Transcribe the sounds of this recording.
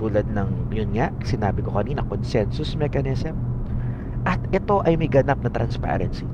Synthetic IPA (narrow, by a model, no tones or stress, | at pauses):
t̪uːlɐd̪̚nɐŋjʊnŋaʔsɪnaːbɪko̞kɐniːnɐkonsɛnsʊsmɛkɐnɛsɛm | ʔɐt̪̚ʔɛt̪o̞ʔɐjmɐjɡɐnap̚nɐt̪ɾɐ̰nspa̰ɾɛ̰nsi